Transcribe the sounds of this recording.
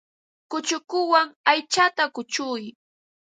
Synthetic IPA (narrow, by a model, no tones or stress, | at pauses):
kʊt͡ʃʊkʊwaŋajt͡ʃat̪akʊt͡ʃʊj